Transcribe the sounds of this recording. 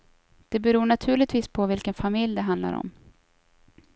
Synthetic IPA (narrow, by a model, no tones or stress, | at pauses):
d̪̥ɛbɛɾuːɳat̪ʰʉ̟ːɭɪt̪viːspʰɔvɪlkənfamɪljd̪ɛɦand̪la̰ɾɔ̰m